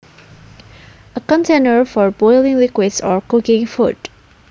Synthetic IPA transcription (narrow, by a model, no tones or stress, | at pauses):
əkɔ̃ntʰẽnəɹfɔɹbɔɪlɪ̃ŋlɪkwɪdsɔɹkʊkɪ̃ŋfut